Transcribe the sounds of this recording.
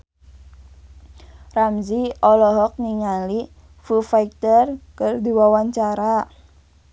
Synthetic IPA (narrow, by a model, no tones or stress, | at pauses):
ramziɔlɔɦɔk̚niŋali | fufaik̚t̪ərkərdiwawaɲt͡ʃaɾa